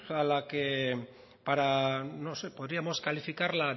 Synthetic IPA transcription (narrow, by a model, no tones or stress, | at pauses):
alake | paɾano̞se̞po̞ðɾiamo̞skalifikaɾla